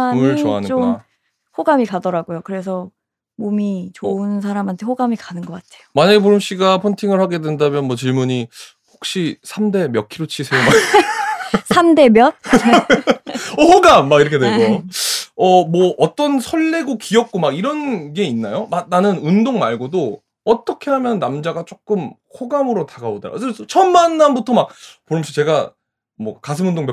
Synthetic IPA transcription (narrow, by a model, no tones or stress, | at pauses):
ɯɭoa̰nɯnom | hoɡamikadʌɾaɡojokɯɾe̞sʰʌ | momit͡ɕoɯns̬ʰaɾamɦantʰe̞ɸoɡamikanɯnɡʌk͈atʰe̥jomaɲaɡe̞p̬oɾɯmɕ͈iɡapʰontʰiŋɯɭhaɡe̞dwendamjʌnmwʌt͡ɕiɭmuɲi | hok̚ɕ͈isʰamde̞mjʌk̚ʰiɾot͡ɕʰisʰe̞joma | sʰamde̞mjʌt̚ | ʌhoɡamːaɡiɾʌkʰedweɡojo | ʌmwʌʔʌt͈ʌnsʰʌɭːeɡokijʌk̚k͈omaɡiɾʌnɡe̞inːajomak̚nanɯnundoŋmaɭɡodo | ʌt͈ʌkʰe̞ɦamjʌnːamd͡ʑaɡat͡ɕ͈ok͈ɯmhʰoɡamɯɾotaɡaoda̰t͡ɕʰʌnmanːanbutʰʌmak̚poɾmɕʰʌt͡ɕe̞ɡa | mwʌkas̬ʰɯmundoŋmjʌ